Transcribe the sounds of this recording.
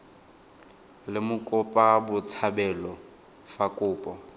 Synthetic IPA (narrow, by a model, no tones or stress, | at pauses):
lɪmʊkʼʊpʼabʊt͡sʰabɛlɔ | fakʼʊːpʼɔ